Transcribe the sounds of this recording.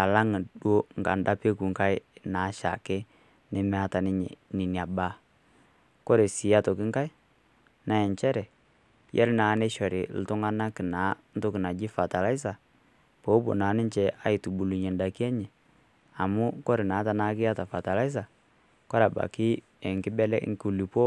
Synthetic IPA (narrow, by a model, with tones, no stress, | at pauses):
a˨la˦ŋ˨ɗwo˦ŋɡa̰˨nda˦pe˦ku˨ŋka˦ɪ˦na˨˦ʃa̰˨kɪ˦ | nɪ˦mɛ˦a˦ta˨nɪ˦ɲɛ̰˨nɪ˨nja˨ba˦ | kɔ˦ɾe˨sɪ˨ja˦to˨kɪ˦ŋka˦ɪ˦ | na˨ɛ˨ɲt͡ʃɛ˦ɾɛ˨ | jɛ̰˦ɾna˨˦ne˦ʃɔ˨ɾɪ˨l̩˨tʊ˦ŋa˦na˦kɪ˨naː˨˦n̩˦to˦kɪ˨na˨d͡ʒɪ˦fa˨ta˨la˦ɪ˦s̬a˨ | po˨˦bo̰˨naː˨˦nɪ˦ɲt͡ʃɛ˨a˦i˨tu˨bu˨lu˨ɲɛ˨n˨da˨ki˦ɛ˦ɲɛ˨ | a˨mʊ˦kɔ˦ɾɪ˨na˨˦ta˨na˦kɪ˦a˦ta˨fa˨ta˨la˦ɪ˦s̬a˨ | kɔ˦ɾa˨ba̰˨kɪ˦ | ɛ˨ŋkɪ˦bɛ˦lɛ˦ŋ˦ku˦˨li˨po˦